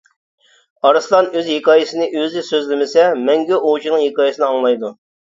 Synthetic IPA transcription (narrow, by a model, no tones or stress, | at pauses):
ɑɾɨslˠɑnøzhekʰɑːjisɨnɪʔøzɪsøzlɪmɪsɛmɛŋɡʲɛʔot͡ʃʰinɨŋɦhekɑːjisɨnɨɑŋlˠɑjd̪u